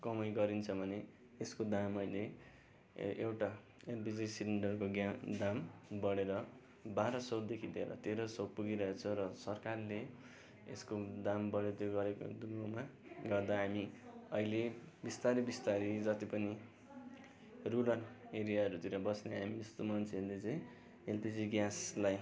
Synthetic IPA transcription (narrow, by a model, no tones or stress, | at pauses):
kʌmʌjɡʌɾint͡sʰʌbʱʌne | eskod̪amʌile | ewʈa | elbid͡zsiliɳɖʌrkoɡjad̪ambʌɽeɾʌ | baɾʌsʌwd̪ekʰid̪ḛɾʌ̰t̪eɾosopuɡiɾʌɦet͡sʰʌɾʌsʌrkarle | ḛskod̪ambʌɽet̪oɡʌɾeko̰d̪uɡomaɡʌrd̪aɦamiʌ̰ilebist̪aɾibist̪aɾid͡zʌt̪ipʌni | rulʌneɾijaʌɾut̪iɾʌbʌsneɦamiest̪omʌnt͡sʰied̪et͡sʌĩ | elpid͡ziɡjaslaj